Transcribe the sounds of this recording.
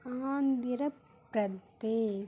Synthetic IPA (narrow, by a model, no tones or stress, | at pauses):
aːnd̪iɾɐ | pɾɐt̪eː